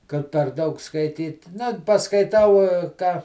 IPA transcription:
kɐt pʲɛr ˈdɐʊk skɐɪˈtʲiːt ˈnɐ pɐskɐɪˈtɐʊ ˈkɑː

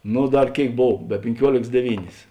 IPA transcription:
ˈnʊ ˈdɐr ˈkʲeːɪk ˈboːw bʲɛ pʲɪŋʲˈkʲuɔlʲeːks dʲɛˈʋʲiːnʲeːs

